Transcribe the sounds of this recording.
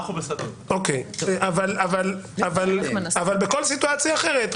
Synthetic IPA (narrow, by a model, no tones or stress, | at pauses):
ubesd̪ | okejʔavalavalavalnavalbeko̞lsituat͡sjaːχe̞ʁet̪